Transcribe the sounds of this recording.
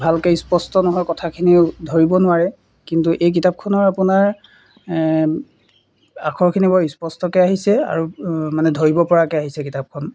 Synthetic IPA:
bʱalkespɔstɔnɔɦɔjkɔtʰakʰiniʊdʱoɹibɔnʊaɹɛ | kintuʔejk̬itap̚kʰɔnɔɹapunaɹ | akʰɔɹkʰinibɔispɔstɔkɛaɦisɛa̰ɹumanɛdʱoɹibɔpɔɹakɛaɦisɛkitap̚kʰɔn

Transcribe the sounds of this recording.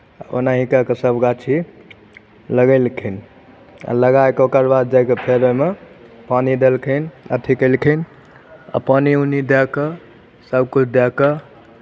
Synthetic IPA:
o̰naɦikakesəbɡat͡ʃʰi | ləɡəɪlkʰɛn | a̰ləɡaekeokəɾbad̪̚d͡ʒajkepʰeɾəme | panid̪elkʰənə̰t̪ʰikəlkʰən | a̰paniunid̪jakə | səbkut͡ʃʰd̪jakə

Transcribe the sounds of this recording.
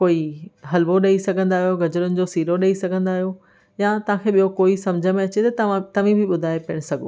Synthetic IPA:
koːiɦɐlʋoɗɐisɐɡʱə̃nd̪aːɦijoɡɐd͡ʑəɾʊnɪ̆d͡ʑoːsiːɾoɗɐisɐɡʱə̃nd̪aːɦijo | jat̪ɐʋ̤ãkʰeːɓijokoːisɐ̃md͡ʑʱəmẽɐt͡ɕet̪ɐt̪ɐʋãt̪ɐʋ̤ĩbʱɪɓʊd̪ʱaːepɐəɽ̃sɐɡʱo̰

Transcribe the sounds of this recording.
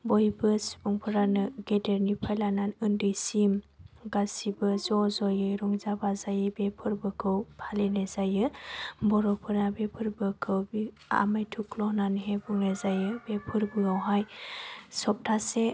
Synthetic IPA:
bɔjbɯsbuŋpʰɯɾanɯɡedeɾnipʰajlananɯndɯjsimɡasibɯzɔzɔjɯjɾuŋzabazajɯbepʰɯɾbɯkʰɯwpʰalenezajɯbɔɾɔpʰɯɾabepʰɯɾbɯkʰɯwbi | a̰majtʰuklɔhnanɯɦebuŋnezajɯbepʰɯɾbɯawɦaj | sɔp̚tʰase

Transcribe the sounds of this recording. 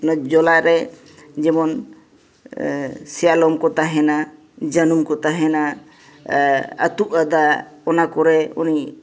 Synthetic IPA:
nad͡ʒɔlaʔɾɛ | d͡ʒɛmɔn | sɛjalɔmkɔt̪aɦɛna | d͡ʒanumkɔt̪aɦɛna | t̪uʔad̪aɔnakɔɾɛɔni

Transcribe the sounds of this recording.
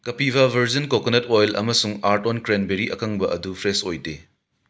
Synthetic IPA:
kɐpibɐbʱɐɾzɐnkokonɐtojlɐ̰mɐsuŋaɾtonkɾenbeɾiʔɐkʰɐŋbɐʔɐdupʰɾesojde

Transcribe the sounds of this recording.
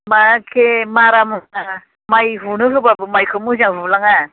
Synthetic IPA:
makʰemaɾamɯna | majɦunɯɦɯbabɯmajkʰɯmuzaŋɦulaŋa

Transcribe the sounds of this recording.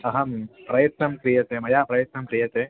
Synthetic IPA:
ɐɦɐmpɾɐjɐt̪nɐmkɾijɐt̪eːmɐjaːpɾɐjɐt̪̚nɐmkɾijɐt̪eː

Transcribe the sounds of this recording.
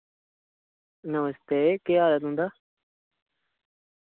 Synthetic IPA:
nəməst̪eːkeːaːlət̪ɦʊ̃nd̪aː

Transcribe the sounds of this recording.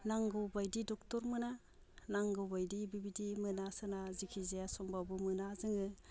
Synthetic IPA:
naŋɡɔwbajdidɔktɔɾmɯna | naŋɡɔwbajdibibidimɯnasɯnazikʰizejasɔmbabɯmɯnazɯŋɯ

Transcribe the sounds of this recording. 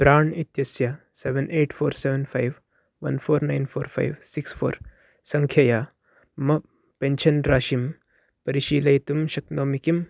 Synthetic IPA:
b̥ɾaːɳit̪jɐsja | seːʋenʔeːʈfʰoːɾseʋenpʰajʋ | ʋɐ̰nfʰoːɾnajnfʰoːɾpʰa̰jʋsiksfʰo̰ːɾ | sɐŋkʰjɐjaː | mɐ | peɲt͡ʃɐnɾaːʃim | pɐɾiʃiːlɐjt̪umʃɐknoːmikim

